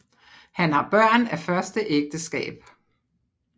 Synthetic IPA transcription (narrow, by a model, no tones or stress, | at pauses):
hænhɑ̈b̥ɶɐ̰næfɶɐsd̥əʔeɡ̥̚d̥əsɡ̥ɛ̰ːb̥